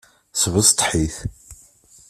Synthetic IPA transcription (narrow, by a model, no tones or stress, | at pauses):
svəst̪ˤħiθ